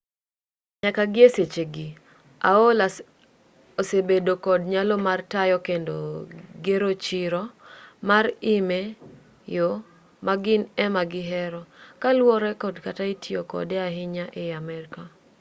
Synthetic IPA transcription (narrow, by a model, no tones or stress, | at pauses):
ɲakaɡɪeset͡ʃeɡi | a̰ola | osebedokɔdɲalɔmartajɔkendo̰ɡeɾot͡ʃiɾɔmaɾime | jo | maɡɪnɛmaɡɪɦɛɾɔkalwɔɾɛkɔdkataitʰjokɔ̰dɛaɦɪɲaʔɪamɛɾɪka